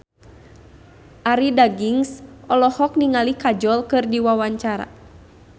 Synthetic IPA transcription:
ʔaɾidaɡiŋsʔɔlɔhɔk̚niŋalikad͡ʒɔlkɨrdiwawaɲt͡ʃaɾa̰

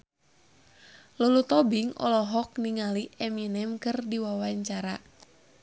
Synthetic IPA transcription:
lulut̪ɔbiŋɔ̰lɔɦɔk̚niŋaliɛminɛmkɨrdiwawaɲt͡ʃaɾa

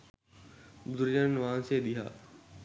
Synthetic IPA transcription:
bʊd̪ʊɾjanʋãːnseːɗ̪iɦa̰ː

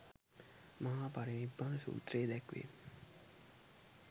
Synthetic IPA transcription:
maɦaːpaɾimibːansṵːt̪ɾeːd̪ɛkʋḛ

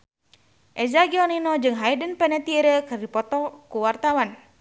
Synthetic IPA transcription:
ʔɛzaɡiɔninɔd͡ʒɨŋɦaidənpɛnət̪iəɾəkɨrdipɔt̪ɔkuwart̪awan

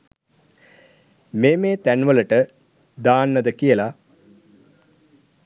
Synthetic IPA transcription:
meːmeːt̪ænʋələʈə | d̪aːnːəd̪əkijəla

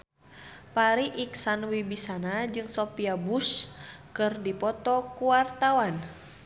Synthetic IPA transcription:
paɾiʔiksanwibisanad͡ʒɨŋsɔpiabuskɨrdipɔt̪ɔkuwart̪awan

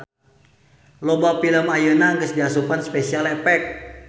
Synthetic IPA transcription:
lobafiləmajunaŋɡəsdiasupanspɛsialɛpɛk̚

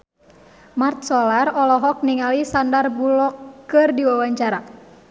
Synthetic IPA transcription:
mart̪̚sɔlarɔlɔɦɔk̚niŋalisandarbulɔkːɨrdiwawaɲt͡ʃaɾa

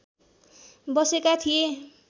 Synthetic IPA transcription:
bʌsekat̪ʰije

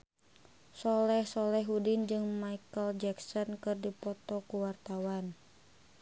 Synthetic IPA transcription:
sɔlɛhsɔlɛɦɦudind͡ʒɨŋmaikəld͡ʒɛksɔnkɨrdipɔt̪ɔkuwart̪awan

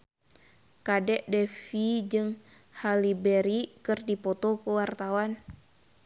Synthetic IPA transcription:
kadɛʔdɛfid͡ʒɨŋ | halibɛɾikɨrdipɔt̪ɔkuwart̪awan

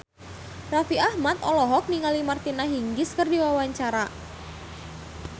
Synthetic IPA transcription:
rafiahmat̪̚ɔlɔɦɔk̚niŋalimart̪inaɦiŋɡɪskərdiwawaɲt͡ʃaɾa

